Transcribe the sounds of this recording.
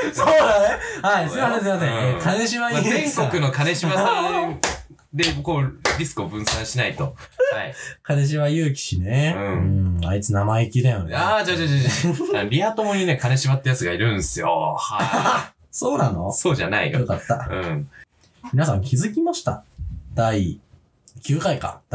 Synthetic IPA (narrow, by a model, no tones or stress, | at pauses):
soːd̪ane̞haisoasimas̬ẽkʰane̞ɕiβaizẽŋkokɯno̞kane̞ɕimã | d̪e̞koːɾʲisɨ̥kɯ̟obɯ̟̃ɰ̃sãɰ̃ɕinait̪o̞haikane̞ɕ̬iβajɯːk̬ʲi̥ɕineɯ̃ɯ̃ait͡sɨnamaekʲid̪ajo̰nead͡ʑaːd͡ʑad͡ʑaaaɾʲiat̪omoɲ̟inekane̞ɕiβat̪ːejat͡sɨɡaiɾɯ̟̃ñsɨjo̰ha | so̞ːnano̰so̞ːʑanaḭjokat̪ːaɯ̃ | mʲinasãŋkʲizɨkʲimaɕi̥t̪a̰d̪̥ai | kʲɨːkaika̰d̪̥